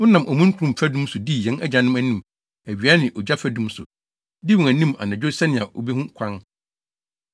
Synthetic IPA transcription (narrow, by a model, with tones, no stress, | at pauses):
ʊ̃˦nã˨mɔ˨mũ˦kʰu˨ɾũ˨m̩˨pʰæ˦dũ˦msʊ˨di˦jɛ̃˦nɛ˦d͡ʑa˨nɪ̃˦mæ˨nĩ˦m | æ˨ɥi˨a˦nɪ̃˨ʔɔ˨d͡ʑa˦fæ˦dũ˦msʊ̰˨ | di˦wʊ̃˨æ˨nĩ˦ma̰˨nã˨d͡ʑᶣo˦sɛ˦nɪ̃˨a˨ʔo̰˨be˦hũ˦kʷʰã˦n